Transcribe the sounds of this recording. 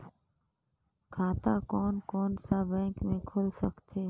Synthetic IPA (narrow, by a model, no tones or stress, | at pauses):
kʰaːt̪aːkoːnkoːnsaːbɛ̃ːŋkmẽːkʰoːlsəkt̪ʰeː